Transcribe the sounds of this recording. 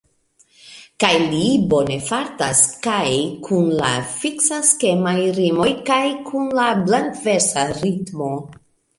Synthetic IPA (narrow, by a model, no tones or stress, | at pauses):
kajlibo̞ne̞faɾtaskajkʰunla̰fiksaske̞majɾimo̞jkajkʰunlablantve̞ɾsaɾitmo̞